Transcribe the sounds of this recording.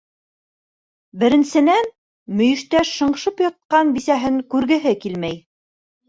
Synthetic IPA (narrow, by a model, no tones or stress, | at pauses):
bɘ̆ɾɘ̆nsɘ̆næn | mɵ̆jɵ̆ʃt̪æʃɤ̆ɴʃɤpjɑ̆t̪̚qɑnbisæɦɘŋkʉɾɡɘ̆ɦɘkilmæj